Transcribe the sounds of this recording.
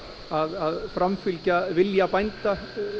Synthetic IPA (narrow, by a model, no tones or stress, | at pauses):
aðaðfɾamfʏlcavɪljapajnt̪a